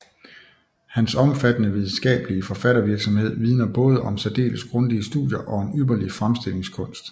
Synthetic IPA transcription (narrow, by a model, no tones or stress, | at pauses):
hænsɒ̽mfæd̥ənəʋið̞ˠn̩sɡ̥ɛ̰ːb̥əliəfɒ̽fæɾ̥ɐʋiɐɡ̥sɒ̽mhe̝ð̞̰ˠʋið̞ˠnɐb̥ɔ̽ːð̞ˠəʔɒ̽msæd̥e̝̰ːləsɡ̥ʁɔ̽nd̥iəsd̥uðˠjɐʔɒ̽e̝nyːɐlifʁamsd̥e̝l̰e̝ŋskʰɔ̽n̰sd̥